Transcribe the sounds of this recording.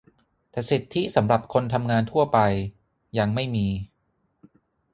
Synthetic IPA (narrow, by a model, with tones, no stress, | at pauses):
t̪ɛː˨˩si˨˩t̪ʰːi˦˥sa˩˦mɾa˨˩p̚kʰo˧nt̪ʰa˧mŋaː˧nt̪ʰu˥˩ɐpa˧j | ja˧ŋma˥˩jmiː˧